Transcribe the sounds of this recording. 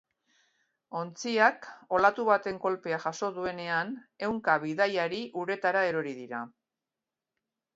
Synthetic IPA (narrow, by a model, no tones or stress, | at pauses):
o̞nt͡siako̞lat̪uβat̪e̞ŋko̞lpe̞aʝaso̞ðue̞ne̞ane̞wŋkaβiðajaɾiʔuɾe̞t̪aɾae̞ɾo̞ɾiðiɾa